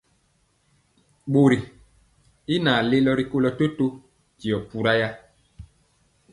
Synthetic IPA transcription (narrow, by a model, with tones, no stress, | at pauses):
ɓo˨ɾi˨ | i˦naː˨le˦lɔ˦ɾi˦ko˦lɔ˨to˦to˦ | ti˨ɔ˨pu˨ɾa˦ja˦